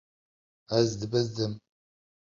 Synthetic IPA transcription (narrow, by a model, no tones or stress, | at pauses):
azd̪ɨbɐzd̪ɨm